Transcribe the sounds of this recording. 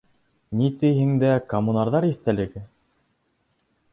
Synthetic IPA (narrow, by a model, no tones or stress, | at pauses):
nit̪ɘ̆jɦɘ̆ŋd̪ækɐmːunɑɾðɑɾiθt̪ælɘ̆ɡɘ